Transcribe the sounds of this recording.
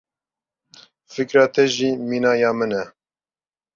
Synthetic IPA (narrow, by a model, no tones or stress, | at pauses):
fɨkɾɑːt̪ʰɛʒiːmiːnɑːjɑːmɨnɛ